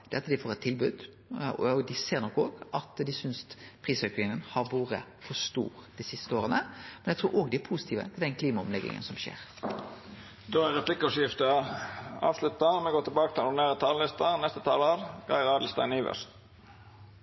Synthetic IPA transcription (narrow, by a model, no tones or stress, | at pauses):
d̪ɛɑt̪d̪ɪfoːɾɛt̪ʰːɪlbʉːd̪ | ɔ̰d̪ɪseːɾnɔkːoːɡɑt̪d̪ɪsʏnspʰɾiːsœkɪŋənhɑɾʋuːɾəfɔst̪ṵːɾd̪̥ɪsɪst̪əoːɾənəmɛnæɪt̪ʰuːɾʔoːɡd̪ɪæpʰusɪt̪ʰiːʋə̰t̪ʰɪld̪ɛnkʰliːmɑɔmlɛɡːɪ̰ŋə̰nsɔmʃḛːɾ | d̪oːæɾʁɛpʰlɪkːʂjɪft̪əɑɑ̰ːʋslʉt̪ɑnmɛɡoːt̪ɪlbɑːkət̪ʰɪlneːʁət̪ʰɑːləlɪst̪ɑnɛst̪ət̪ʰɑːlɑːʋɡ̥ɑ̰ɪʁɑːd̪l̩st̪æɪniːʋœ̰st̪